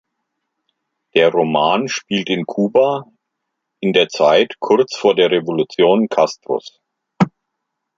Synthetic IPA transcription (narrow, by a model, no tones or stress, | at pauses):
d̥eːɐʁomaːnʃpiːltɪnkʰuːba | ʔɪndeːɐt͡saɪtkʰʊɐt͡sfoːɐdeːɐʁevolut͡sjoːnkʰastʁ̥ʊ̰s